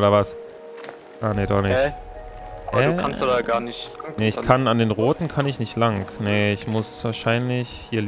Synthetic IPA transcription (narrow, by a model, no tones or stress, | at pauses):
oɾɐvas | ʔaːneːdɔ̰χnɪç | ʔɛkansdaɡaːɐnɪçneɪçkʰanandeːnʁoːtn̩kʰanɪçnɪçtlaŋkneɪçmʊsv̥aːɐʃaɪnlɪçhiːɐl